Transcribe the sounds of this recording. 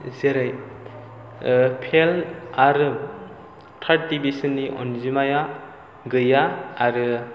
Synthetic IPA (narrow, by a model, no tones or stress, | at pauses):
zeɾaj | pʰelaɾɯ | tʰaʈ̚dibisɯnːiʔɔ̰nzimaja | ɡɯjaːɾɯ